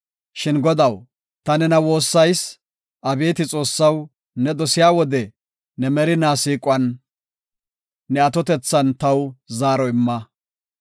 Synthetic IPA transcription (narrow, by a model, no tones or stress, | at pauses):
ʃɪnɡɔd̪ɐw | t̪ɐnɛnɐwo̞ːsːɐjs | ʔɐbe̞ːt̪ɪt͡sʼo̞ːsːɐw | nɛd̪ɔsɪjaːwɔd̪ɛ | nɛmɛɾɪnaːsiːkʼʊɐn | ɛɐt̪ɔt̪ɛt͡sːɐnt̪ɐwzaːɾɔɪmːɐ